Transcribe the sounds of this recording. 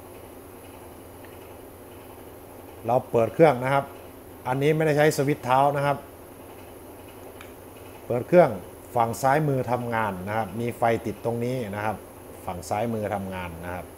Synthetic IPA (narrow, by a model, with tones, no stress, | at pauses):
ɾa˧wpɤː˨˩t̪̚kʰɯ˥˩əŋna˦˥kʰa˦˥p̚ | ʔa˧nːiː˦˥ma˥˩jda˥˩jt͡ɕʰa˦˥jsa˧wi˦˥t̪ʰːaː˦˥wna˦˥kʰa˦˥p̚ | pɤː˨˩t̪̚kʰɯ˥˩əŋ | fa˨˩ŋsaː˦˥jmɯː˧t̪ʰa˧mŋaː˧nːa˦˥kʰa˦˥p̚miː˧fa˧jt̪i˨˩t̪ːo˧ŋniː˦˥na˦˥kʰa˦˥p̚ | fa˨˩ŋsaː˦˥jmɯː˧t̪ʰa˧mŋaː˧nːa˦˥kʰa˦˥p̚